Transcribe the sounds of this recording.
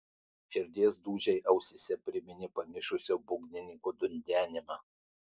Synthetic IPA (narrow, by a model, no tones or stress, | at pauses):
ɪɾʲd̪ʲeːsd̪uːʒʲɛɪʔɐʊsʲɪsʲɛpʲɾʲɪmʲɪnʲɪpɐmʲɪʃʊsʲoːbʊɡʲnʲɪnʲɪŋkod̪ʊnʲd̪ʲæːnʲɪmɑː